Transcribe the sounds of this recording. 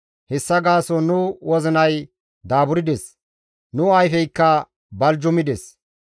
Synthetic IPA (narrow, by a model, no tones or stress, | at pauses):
hɛsːɐɡaːsɔnʊwɔzɪnɐj | d̪aːbʊɾɪd̪ɛs | nʊɐjfɛjkːɐ | bɐld͡ʒɔmɪd̪ɛs